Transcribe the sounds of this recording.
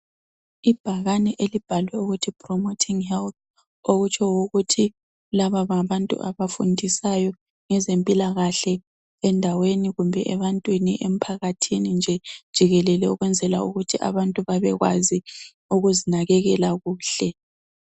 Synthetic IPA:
ib̥ʱaɣanɛʔelib̥ʱalwɛuɣutʰipʰrɔmotʰiŋhɛlθ | oɣut͡ʃʰɔwuɣutʰi | laβaβaβantʼṵʔaβafundʱisajɔ | ŋɛzempʼilaɣaɬɛ | ɛndʱaweniɣumbʱɛʔɛβantʼwiniʔem̩pʰaɣatʰinind͡ʒʱɛd̥ʒ̥ʱiɣɛlɛlɛuɣwɛnd͡zʱɛla̰uɣutʰiʔa̰βantʼuβaβɛ̰ɣwa̰zi | uɣuzinaɣɛɣɛlaɣuːɬɛ

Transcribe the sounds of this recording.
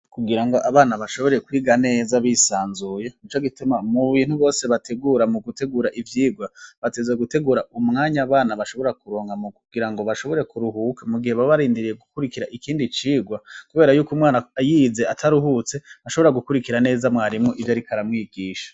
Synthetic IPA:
kuɡiɾaŋɡo̞ʔaβaːnaβaʃo̞βo̞ɾekwiːɡane̞ːzaβiːsaːnzuːjeit͡ʃo̞ɡitumamuβiːnhuβo̞ːseβatʰe̞ɡuːɾamuɡute̞ɡuːɾaʔivjiːɡwaβatezeɡute̞ɡuːɾaʔumŋaːɲaːβaːnaβaʃo̞βo̞ɾakuɾoːŋɡamukuɡiɾaŋɡo̞βaʃo̞βo̞ɾe̞kuɾuɦukamuɡiheβaβaɾiːndiɾije̞ɡukuɾikiɾaʔikiːndit͡ʃiːɡwakuβe̞ːɾajuːkumŋaːnaajize̞atʰaɾuɦut͡se̞aʃo̞βo̞ɾaɡukuɾikiɾane̞ːzamŋaːɾimŋoʔivjaɾikʰaɾamŋiːɡiːʃḁ

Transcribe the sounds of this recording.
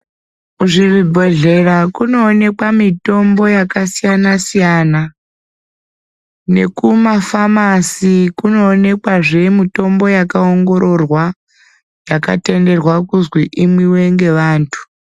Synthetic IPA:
uʐiribʱo̞ɮe̞rakuno̞ːne̞kwamito̞mbo̞jakasijanasijana | ne̞̰kumafamasikuno̞ːne̞kwaʐe̞mito̞mbo̞jakaoŋɡo̞ɾo̞rwa | jaka̰te̞nde̞rwakuzwiʔimwiwe̞ŋɡe̞ʋaːntʰu̥

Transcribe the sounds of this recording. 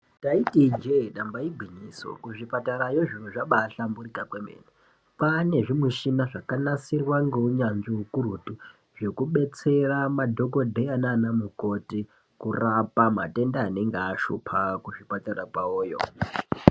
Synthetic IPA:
taitid͡ʒeɗambaiɡʱwiniːso̰kuʐipataɾajoʐinuʐaɓaɬamburikakwemḛne | pane̞ʐimwiʃinaʐakanasirwaŋɡeuɲand͡ʒiukurutu | ʐe̞kuɓe̞t͡se̞ramadʱo̞ko̞dʱeananamuko̞ti | kurapamate̞ndaːne̞ŋɡaʃṵpʰakuʐipataɾakaoːjo̰

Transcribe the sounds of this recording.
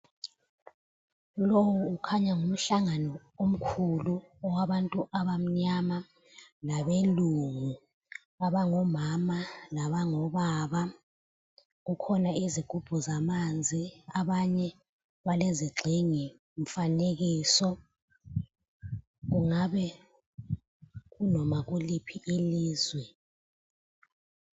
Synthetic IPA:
lowuukʰaɲaŋum̩ɬaŋanɔ | om̩kʰulu | ɔwaɓantʼuʔaɓam̩ɲama | laɓeluŋu | aɓaŋɔmamalaɓaŋɔɓaːɓa | k̬ukʰɔnaiziɡ̥ʱub̥ʱɔzamand͡zʱiaɓaɲɛ | ɓaleziɡ͡ǀʱiŋi | ɱ̩fanek̬iːsɔ | k̬uŋaɓɛ | k̬unɔmak̬ulipʰiʔiliːzwɛ

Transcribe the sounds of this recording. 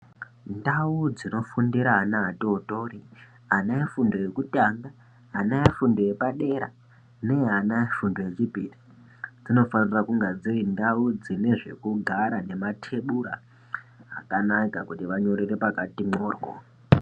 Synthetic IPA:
ndaud͡zino̞fundiɾaɦanaɦatooto̞ri | anaefundo̞je̞kutaŋɡa | anaefundo̞je̞paɗe̞ɾa̰ | ne̞eɦanaefundo̞je̞t͡ʃipiri | d͡zino̞fanirakuŋɡad͡zirindaud͡zine̞ʐe̞̰kuɡʱaɾane̞matʰe̞ɓuɾa̰ː | kanakakutiʋaɲo̞ɾire̞pakatimoːrwo̰

